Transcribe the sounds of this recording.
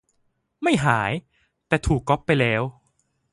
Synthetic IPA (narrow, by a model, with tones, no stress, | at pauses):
ma˥˩jɦaː˩˦j | t̪ɛː˨˩t̪ʰuː˨˩kːɔ˦˥pːa˧jlɛː˦˥w